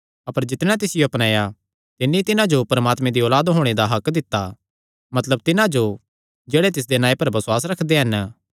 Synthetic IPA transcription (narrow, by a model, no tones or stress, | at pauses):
ɐpəɾd͡ʒɪt̪ɽ̃ãt̪ɪsɪjoɐpñaːja | t̪ɪnːĩt̪ɪnãd͡ʒopɐɾəmaːt̪mẽd̪iɔːlaːd̪ɦoːɽ̃ed̪aɦɐkd̪ɪt̪ːa | mɐt̪ləb̚t̪ɪnãd͡ʒo | d͡ʒeːɽet̪ɪs̬d̪enaːĩpɐɾbɐsʊwaːs̬ɾɐkʰd̪eɦɐn